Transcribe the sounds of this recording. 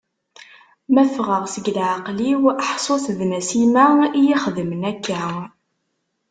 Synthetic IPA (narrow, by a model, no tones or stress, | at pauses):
mæfʁəʁsəɡlʕaqliwəħsˤoθðnæsimæijiχəðəmənækːæ